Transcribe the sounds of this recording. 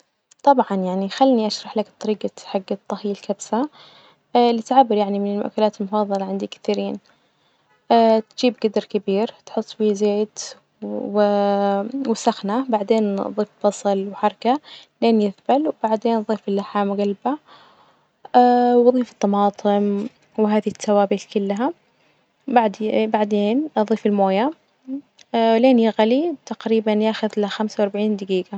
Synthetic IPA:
t̪ˤɑbʕɑnjaʕnixalːniʔaʃɾˤɑħlakt̪ˤːɑɾiːɡaħaɡːat̪ˤːɑhiːalkabsa | lɪt̪ʕabːɪɾjaʕnimɪnɪlmʊʔkːalaːt̪ɪlmʊfɑðˤːɑlɑʕɪnd̪ikɪ̥θiːɾiːn | ʔat̪d͡ʒ̥iːbɡad̪ɑɾkabiːɾt̪ħʊt̪ˤːbiːzeːd̪ | w | wsaxnabaʕd̪eːnðˤiːfbɑsˤɨlwħɑɾˤɑkaleːnjɪθbalwbaʕd̪eːnðˤiːfɪlːaħamɡalba | wðˤiːfɨ̥t̪ˤːɑmɑːt̪ˤʰɨm | wɪɦaːðit̪ːawaːbɪt̪kʊlːaɦa | baʕd̪baʕd̪eːnðˤiːfɪlmoːja | leːnjɪɣalit̪aqɾiːbanjaːxʊðlaxamsawɑɾˤbaʕiːnd̪ɪɡiːɡa

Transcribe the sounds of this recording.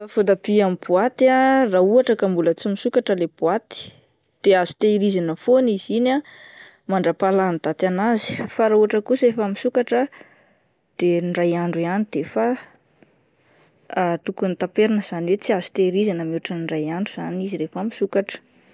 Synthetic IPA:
afud̪abiamibuat̪arauaʈ͡ʂakambulət͡simisukaʈ͡ʂəleb̥uat̪i̥ | d̪̥eaz̥u̥t̪eiɾizanəfonizina | maɳɖ͡ʐapaland̪̥at̪anazi̥faɾauaʈ͡ʂəkusiefəmisukaʈ͡ʂə | d̪̥enɖ͡ʐajaɳɖ͡ʐuianid̪̥efa | t̪ukunit̪apeɾanəz̥aniwet͡siazu̥t̪eiɾizanəmuaʈ͡ʂənirajaɳɖ͡ʐuz̥aniziɾefəmisukaʈ͡ʂə̥

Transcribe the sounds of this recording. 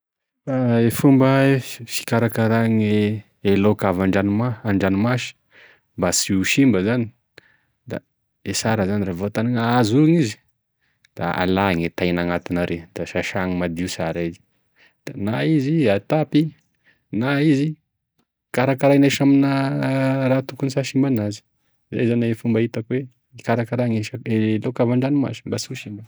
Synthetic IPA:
aefumbəefi̥kaɾakaɾaŋe | elokavaɳɖ͡ʐanimaaɳɖ͡ʐanimaʃi̥ | mbasiuʃimbəzani | d̪̥a̰ | esaɾəzaniɾavot̪aniŋəazuŋizi̥ | d̪̥a̰a̰laŋet̪ajnaŋat̪inaɾed̪̥aʃaʃaŋimad̪iusaɾaizi̥ | d̪̥anaiziat̪api | naizi | kaɾakaɾaneʃamin | rat̪ukunisaʃimbanazi̥ | za̰jzanaefumbait̪akwe | ikaɾakaɾaŋeʃaelokavaɳɖ͡ʐanima̰zimbasiuʃimbə

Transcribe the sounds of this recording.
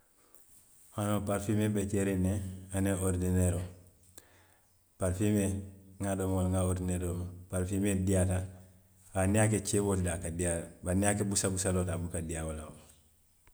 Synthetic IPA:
hanopaɾfimebet͡ʃeɾeneaneoɾdineɾo | paɾfimeŋadomwalŋaoɾdineɾomapaɾfimediata | baniak̬et͡ʃebotdakadiabaniakebusabusalotabukadiawalao

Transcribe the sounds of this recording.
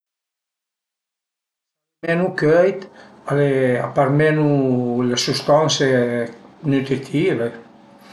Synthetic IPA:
mɛnukøjt̪aleapaɾmɛnulesust̪anse | nyt̪ɾit̪ʰiːve

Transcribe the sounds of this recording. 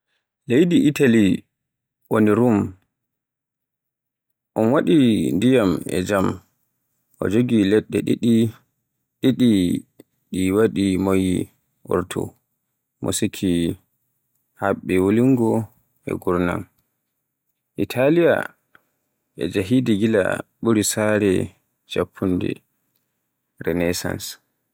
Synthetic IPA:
lejdiʔitali | ʔoniɾum | ʔɔnwaɗindijamɛ̰d͡ʒam | ʔɔ̰d͡ʒoɡilɛɗːɛ̰ɗiɗi | ɗiɗi | ɗiwaɗimojḭ | ʔɔ̰ɾtʰɔ̰ | mʔo̰sikʰi | haɓːɛwoliŋɡɔ | ɛ̰ɡuɾna̰m | ʔitʰalija̰ | ɛ̰d͡ʒaɦidiɡila̰ɓuɾisaɾɛ | d͡ʒapʰːundɛ̰ | ɾɛnɛsa̰ns

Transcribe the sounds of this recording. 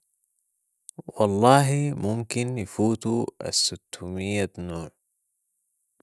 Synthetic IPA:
wɑlˤːɑːɦimʊmkinjafuːt̪uʔa̰sːʊt̪ʰːumɪjːanoːʕ

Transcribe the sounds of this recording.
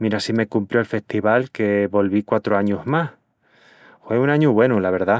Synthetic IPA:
miɾasime̞kumpljoelfe̞st̪iβalke̞βo̞lβikwat̪ɾoaɲuzmah | fwe̞unaɲuβwe̞nulaβ̞e̞ɾða

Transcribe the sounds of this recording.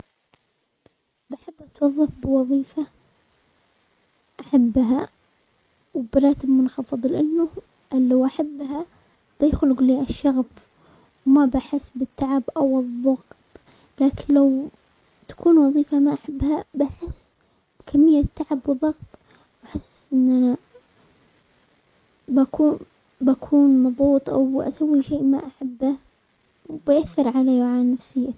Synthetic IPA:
baħabːʔat̪wɑðˤːɑfbɪwɑðˤiːfa | ʔaħabːɦa | wbɾˤɑːt̪ɪbmʊnxɑfɨðˤlɪʔanːʊ | ʔlːawʔaħabːɦa | b̥ɪjxʊlɡliːʔaʃːɑɣf | wmabaħɪsːbɪt̪ʰːaʕabʔawɨðˤːɑɣtt̪ˤ | laːkɪnlaw | t̪ḁkʰuːnwɑðˤiːfamaʔaħabːhabaħɪsː | b̥kʰamːɪjːat̪ːaʕabwɨðˤɑɣt̪ˤ | ʔaħɪsːʔɪnʔana | baku | bakʰuːnmɑðˤuːt̪ˤʔa̰wʔa̰sawːiʃeːʔmaʔaħabːa | wbɪʔaθːɪɾʕalaːjwʕanːafsɪjːa

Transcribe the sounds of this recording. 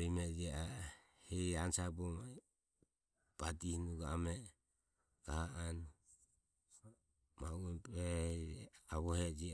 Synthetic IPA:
imɛd͡ʒia | hɛansabɔma | b̥adihnuɡa̰mɛ | ɡahaan | mauɛpɛ | aβɔhɛd͡ʒi

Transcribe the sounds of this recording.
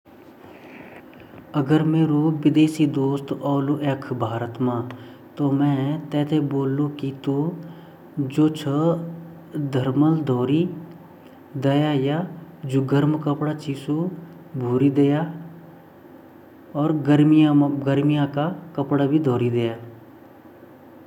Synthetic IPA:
əɡəɾmeːɾoʋɪd̪eːsid̪oːst̪ɔːluʔekʰbʱaːɾət̪mã | t̪omɛ̃ːt̪ɛːt̪ʰeboːlːũkit̪o | d͡ʒoːt͡ʃʰə | d̪ʱəɾməld̪ʱɔːɾi | d̪ɐjajad͡ʒʊɡəɾmkəpɽat͡ʃiːso | bʱuːɾid̪eja | ɔːɾɡəɾmijaɡəɾmijãkakəpɽabʱid̪ʱoːɾid̪ejaː

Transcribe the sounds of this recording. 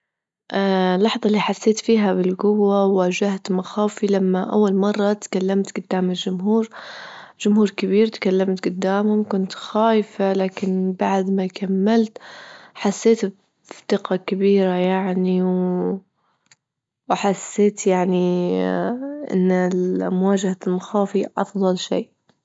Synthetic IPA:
ʔalːɑħðˤɑlːiːħasːeːt̪fiːɦabɪlɡʊwːawwaːd͡ʒaht̪maxaːwfilamːaʔa̰wːalmɑrˤːɑt̪kalːamt̪ɡʊd̪ːaːmɪld͡ʒʊmɦuːɾ | d͡ʒʊmhuːɾkɪbiːɾt̪kalːamt̪ɡʊd̪ːaːmhʊmkʊnt̪xaːjfalaːkɪnbaʕd̪makamːalt̪ħasːeːt̪ | ft̪ɪqɑkɪbiːɾajaʕniw | wħasːeːt̪jaʕni | ʔɪ̰nːmʊwaːd͡ʒahalmaxaːfiʔɑ̰fðˤɑlʃḭːʔ

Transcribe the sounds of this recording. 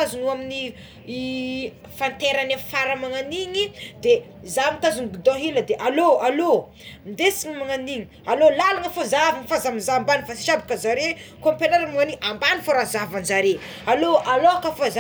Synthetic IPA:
azunuamini | fant̪eɾanafaɾamaŋaniɲid̪e | zamit̪azunɡud̪ɔɦiləd̪eʔaloalo | mnd̪esiŋəmaŋaniɲi | alolalaŋəfozavanfazamizambanifasi̥ʃabḁkəzaɾe | kompenaɾamaŋaniʔambanifaɾazavanzaɾe | aloaloakafaz

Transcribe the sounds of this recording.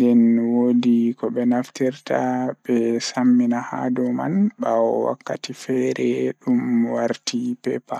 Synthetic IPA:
ndɛnwoːdikɔɓɛnaftiɾtaɓɛsamːinaha̰dɔma̰nɓawɔwa̰kːa̰tifɛɾɛɗumwaɾtipɛpa

